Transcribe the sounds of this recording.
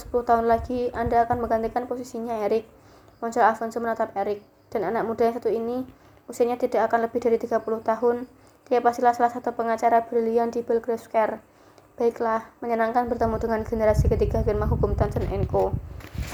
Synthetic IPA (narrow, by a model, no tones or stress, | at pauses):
sə̥pulʊht̪aɦʊnlaɡ̥iandaːkanməŋɡant̪ikanposisiɲaeɾɪk̚ | mɔnsɾaafɔnsomənat̪ap̚eɾɪk̚ | d̥ananak̚mud̥ajaŋsat̪uini | usiaɲat̪idaʔakanləb̥ɪhdaɾit̪iɡ̥apulʊht̪aɦʊn | t̪ijapast̪ilahsalahsat̪upəŋat͡ʃaɾab̥ərliandibəlɡɾɛskɛr | b̥aɪklahməɲənaŋkanbərt̪əmudəŋanɡenəɾasikət̪iɡaɡenmaɦukʊmt̪antənʔɛŋko